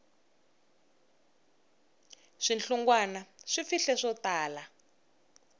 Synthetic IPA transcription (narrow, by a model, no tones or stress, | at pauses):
ʂinɬuŋɡwanaʂifiɬɛʂɔtaːla